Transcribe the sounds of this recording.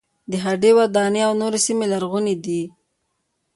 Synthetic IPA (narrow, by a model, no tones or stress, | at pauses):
d̪əɦaɖewad̪ɑneawnoɾesimelaɾɣunid̪i